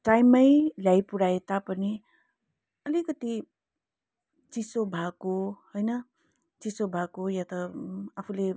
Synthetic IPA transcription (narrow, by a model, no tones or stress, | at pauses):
ʈajmːʌjljajpuɽaet̪apʌni | ʌlikʌt̪i | t͡sisobʱakohojnʌ | t͡sisobʱakojat̪ʌapʰule